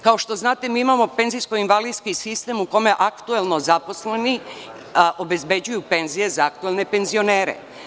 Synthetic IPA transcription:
kao̞ʃt̪o̞znaːt̪e̞miːimamo̞pe̞nzijsko̞inʋaliskisist̪e̞muko̞me̞ʔakt̪uelˠno̞zapo̞sleni | ʔo̞be̞zbe̞d͡ʑujupe̞nzije̞zaak̚t̪uelne̞pe̞nzio̞ne̞ːɾḛ

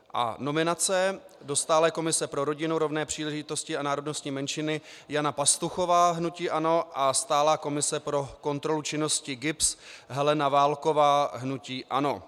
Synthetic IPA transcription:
ʔa̰no̞mɪnat͡sɛ | do̞st̪aːlɛːko̞mɪsɛpɾo̞ɾo̞ɟɪnuɾo̞vnɛːpr̥iːlɛʒɪt̪o̞scɪanaːɾo̞dno̞st̪ɲiːmɛnʃɪnɪ | janapast̪uxo̞vaːɦnuciːʔano̞ʔast̪aːlaːko̞mɪsɛpɾo̞ko̞nt̪ɾo̞lut͡ʃɪno̞scɪɡɪpsɦɛlɛnavaːlko̞vaːɦnuciːʔano̞

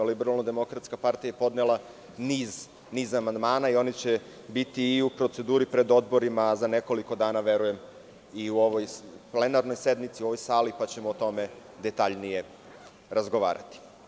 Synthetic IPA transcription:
libeɾalˠnod̪e̞mo̞kɾat̪skapaɾt̪ijajepo̞d̪nelˠa | niːz | niːzamand̪maːnaio̞nit͡ɕe̞ | bit̪iːupɾo̞t̪sed̪uːɾipɾe̞d̪o̞d̪̚bo̞ɾimazane̞ko̞liko̞d̪aːnaʋe̞ɾuje̞m | iuo̞ʋojple̞naɾno̞jse̞d̪mit̪siuo̞ʋo̞jsaːlipat͡ɕe̞moːt̪o̞me̞d̪e̞t̪aʎnije̞ | ɾazɡo̞ʋa̰ːɾa̰t̪i̥

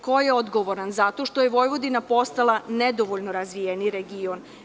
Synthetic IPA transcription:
kojeod̪ɡoʋo̞ɾanzat̪o̞ʃt̪ojeʋo̞jʋo̞d̪inapo̞st̪alˠaned̪oʋoʎʲnoɾazʋijeniɾeɡion

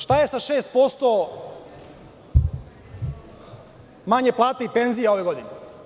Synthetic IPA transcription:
ʃt̪aje̞saʃeːst̪̚po̞st̪o | maɲeplˠaːt̪aipe̞nzijao̞ʋe̞ɡo̞d̪ine

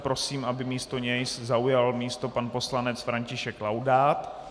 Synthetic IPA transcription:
pɾo̞siːmʔabɪmiːst̪o̞ɲɛjszaujalmiːst̪o̞panpo̞slanɛt͡sfɾaɲcɪʃɛklawdaːt̪

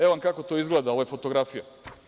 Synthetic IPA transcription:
eoankako̞t̪o̞izɡleːd̪aoojefo̞t̪o̞ɡɾafija

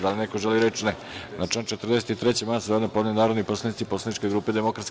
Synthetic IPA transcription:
d̪alinekoʒeliɾet͡ʃnɛ | nat͡ʂent͡ʃet̪r̩d̪eset̪it̪ɾet͡ɕemasod̪napod̪nanaːɾod̪niposlˠanit̪siposlanit͡ʃkeɡɾuːped̪emo̞kɾat̪s

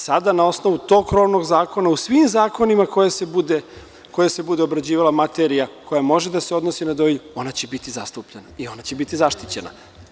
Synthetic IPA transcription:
sad̪anao̞sno̞ʋut̪o̞ɡkɾo̞ʋno̞ɡzaːko̞nausʋimzaːko̞nimako̞jasebud̪e | ko̞jase̞bud̪eo̞bɾad͡ʑiːʋalamat̪eɾijakʰo̞jamo̞ʒed̪aseo̞d̪nosinad̪o̞jʎuo̞nat͡ɕe̞bit̪izast̪upʎenaio̞nat͡ɕebit̪izaʃt̪it͡ɕe̞na̰

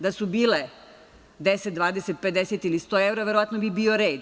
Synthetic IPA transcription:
d̪asubiːle | d̪eset̪̚d̪ʋaːd̪eset̪̚ped̪eset̪ilist̪oeʋɾaʋeɾoʋat̪nobibiːo̞ɾeːd̪

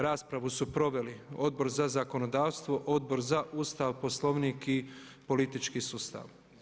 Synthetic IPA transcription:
ɾaːspɾaʋusupɾo̞ʋe̞lio̞d̪̚bo̞ɾzazako̞nod̪aːʋst̪ʋo̞ʔod̪bo̞ɾzaʔuːst̪aʋpo̞slo̞ʋnikipo̞lit̪it͡ʃkisuːst̪a̰ːʋ

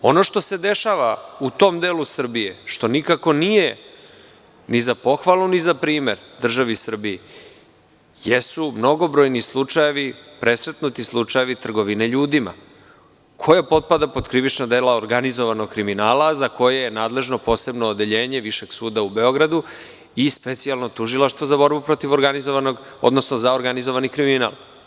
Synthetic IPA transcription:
o̞̰no̞ʃt̪o̞se̞d̪e̞ʃaʋaut̪o̞ːmd̪eːlusr̩bije̞ʃt̪o̞nikako̞nije | nizapo̞xʋalˠunizapɾiːme̞ɾd̪r̩ʒaʋisr̩bije | jesumno̞ɡo̞bɾo̞ːjnislˠut͡ʂaje̞ʋipɾʔe̞sɾe̞t̪nut̪islˠut͡ʂaje̞ʋit̪r̩ɡo̞ʋineʎuːd̪ima̰ | kʰo̞japo̞t̪̚pad̪apo̞d̪kɾiʋit͡ʃnad̪e̞ːlaoɾɡanizoʋano̞ɡ̚kɾiminaːlazako̞jejenaːd̪le̞ʒno̞po̞ːse̞bnoːd̪e̞ʎeːɲe̞ʋiʃe̞ɡ̥suːd̪aube̞o̞ɡɾad̪u | ispe̞t̪sialˠno̞t̪uʒilˠaʃt̪vʋozabo̞ɾbupɾo̞t̪iʋoɾɡanizoʋanoɡ | o̰d̪no̞snozaoɾɡanizoʋanikɾimina̰lˠ

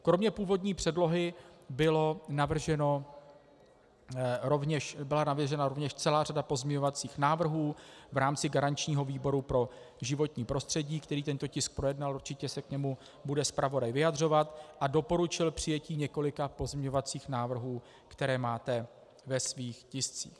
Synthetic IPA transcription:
kɾo̞mɲɛpuːvo̞dɲiːpr̥ɛdlo̞ɦɪbɪlo̞navr̩ʒɛno | ɾovɲɛʃbɪlanavjɛʒɛnaɾovɲɛʃt͡sɛlaːradapo̞zmɲɛɲo̞vat͡siːxnaːvr̩ɦuːvɾaːmt͡sɪɡaɾant͡ʃɲiːɦo̞viːbo̞ɾupɾo̞ | ʒɪvo̞t̪ɲiːpɾo̞st̪r̝̥ɛɟiːkt̪ɛɾiːt̪ɛnt̪o̞cɪsk̚pɾo̞jɛdnalʔurt͡ʃɪcɛsɛkɲɛmu | budɛspɾavo̞dajvɪjadr̝o̞vat̪ʔado̞po̞ɾut͡ʃɪlpr̝̥ɪjɛciːɲɛko̞lɪkapo̞zmɲɛɲo̞vat͡siːxnaːvr̩ɦuː | kt̪ɛɾɛːmaːt̪ɛ | vɛsviːxcɪst͡sḭːx

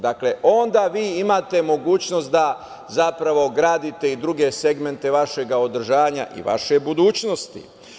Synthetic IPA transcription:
d̪akle̞ʔo̞nd̪aːʋiːimaːt̪e̞mo̞ɡuːt͡ɕno̞st̪̚d̪a | zapɾaʋo̞ɡɾaːd̪it̪e̞id̪ɾuɡe̞seɡme̞nt̪e̞ʋaʃe̞ɡao̞d̪r̩ʒaːʋaɲa̰ʔḭʋa̰ʃe̞bud̪uːt͡ɕno̞st̪ḭ

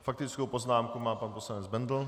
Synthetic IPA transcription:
fak̚t̪ɪt͡skowpoznaːmkumaːpanposlanɛd͡zbɛnd̪l̩

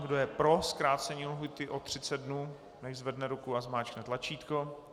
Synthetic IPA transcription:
ɡdo̞jɛpɾo̞skɾaːt̪t͡sɛɲilɦujt̪ɪʔo̞t̪r̝̥ɪt͡sɛd̪̚dnuː | nɛʒzvɛdnɛɾukuazmaːt͡ʃknɛt̪lat͡ʃiːt̪ko

